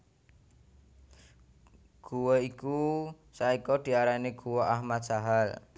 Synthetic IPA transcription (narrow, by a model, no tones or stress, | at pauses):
ɡ̥uweiku | saikɔd̪̥i̤aɾaneɡ̥uwɔʔahmat̪̚ʒ̥aɦal